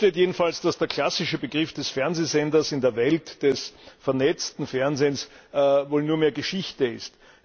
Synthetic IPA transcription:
teːtjeːdn̩falsd̥asd̥eːɐkʰl̥asɪʃəbəɡʁɪfd̥ɛsfɛɐnzeːzɛndɐsɪndeːɐvɛltd̥ɛsfɛɐnɛt͡stn̩fɛɐnzeːnsvoːlnuːɐmeːɐɡəʃɪçtəɪst

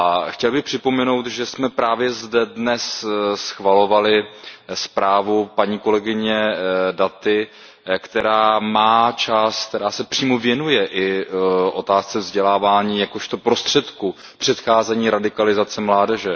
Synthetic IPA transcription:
ʔaxcɛlbɪxpr̥ɪpo̞mɛno̞wt̪ʒɛsmɛpɾaːvjɛzdɛdnɛssxvalo̞valɪspɾaːvupaɲiːko̞lɛɡɪɲɛdat̪ɪ | kt̪ɛɾaːmaːt͡ʃask̚t̪ɛɾaːsɛpr̥iːmovjɛnujɛʔɪʔo̞̰t̪aːst͡sɛvzɟɛlaːvaːɲiːjakoʃt̪o̞pɾo̞st̪r̝̥ɛt̪ku | pr̥ɛt̪xaːzɛɲiːɾadɪkalɪzat͡sɛmlaːdɛʒɛ

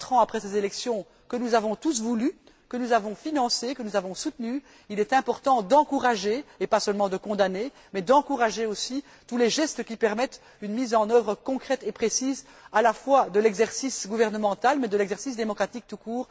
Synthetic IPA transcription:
t̪χɑ̃apχɛsezelɛksjɔ̃ | kənuzavɔ̃t̪us̬vuly | kənuzavɔ̃finɑ̃sekənuzavɔ̃sut̪ny | ilɛt̪ɛ̃pɔʁt̪ɑ̃d̪ɑ̃kuʁaʒeːpasəlmɑ̃d̪əkɔ̃d̪ane | mɛd̪ɑ̃kuʁaʒeosi | t̪ulɛʒɛst̪əkʲipɛʁmɛt̪ | ynmiːzɑ̃nœvʁəkɔ̃kχɛt̪epχesiːz | alafwad̪əlɛɡzɛʁsisɡuvɛʁnəmɑ̃t̪almɛd̪əlɛɡzɛʁsis̬d̪emɔkχat̪ik̚t̪ukuːʁ

